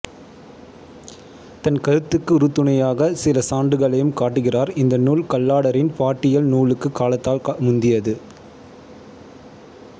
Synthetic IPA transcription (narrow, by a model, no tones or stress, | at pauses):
t̪ɐnkɐɾɯt̪ːɯkːɯʊɾɯt̪ːɯɳɐjaːɣɐsɪlɐsaːɳɖɯɣɐɭɐjɯmkaːʈːɯɣɪraːɾɪnd̪ɐnuːlkɐlːaːɽɐɾɪnpaːʈːɪjɐlnuːlɯkːɯkːaːlɐt̪ːaːlmʊnd̪ɪjɐðɯ